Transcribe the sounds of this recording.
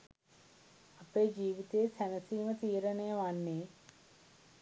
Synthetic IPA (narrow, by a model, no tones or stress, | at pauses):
apeːd͡ʒiːʋit̪eːsænəsiːmət̪iːɾənejəʋanːeː